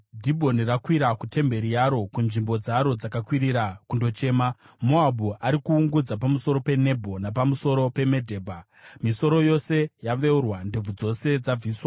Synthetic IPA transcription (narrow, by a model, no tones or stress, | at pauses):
dʱibʱo̞nirakwiɾakute̞mbe̞ɾijaɾo̞kunʐimbo̞d͡zaɾo̞d͡zakakwiɾiɾakundo̞t͡ʃe̞ːma | mo̞abuaɾikuːŋɡud͡zapamuso̞ɾo̞pe̞ne̞bʱo̞napamuso̞ɾo̞pe̞me̞dʱe̞ːbʱa | miso̞ɾo̞jo̞se̞jaʋe̞urwandob͡vud͡zo̞se̞d͡zab͡viːswa